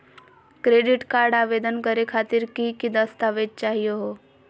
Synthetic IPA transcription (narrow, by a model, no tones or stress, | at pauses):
kɾeːɖɪʈkaːɾɖaːʋeːd̪ənkəɾekʰaːt̪ɪɾkikid̪əst̪aːʋett͡ʃaːɦijoɦo